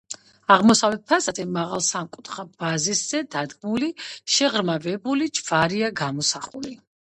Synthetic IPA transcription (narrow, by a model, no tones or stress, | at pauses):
aʁmɔsavɛt̪̚pʰasat̪ʰɛmaʁalˠsamkʼut̪χab̥azisz̥ɛd̪ad̪ɡmuliʃɛʁɾmavɛbulid͡ʒv̥aɾiaɡamɔsaχuli